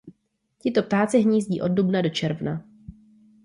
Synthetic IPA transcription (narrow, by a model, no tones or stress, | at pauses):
cɪt̪o̞p̚t̪aːt͡sɪɦɲiːzɟiːʔo̞d̚dubnado̞t͡ʃɛɾvna̰